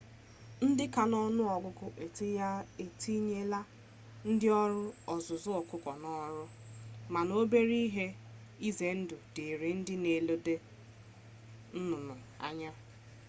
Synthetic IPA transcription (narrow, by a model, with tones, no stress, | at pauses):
n̩˦dɪ˦ka˨nɔ˦nʊ˦ɔ˨ɡʷʊ˦kʊ˦ʔe˨te˦ja˦e˨ti˦ɲe˦la˦ | n̩˦dɪ˦ɔ˦ɾʊ˦ɔ˨zʊ˨zʊ˦ɔ˨kʊ˦kʷɔ˨nɔ˦ɾʊ˦ | ma˨no˦be˦ɾi˦ɦe˦ | i˦ze˨n̩˦dʊ˨dɪ˨ɾi˨n̩˦dɪ˦ne˨lo˦de˦ | n̩˦nʊ˨nʊ˨ | a̰˦˨ɲa˦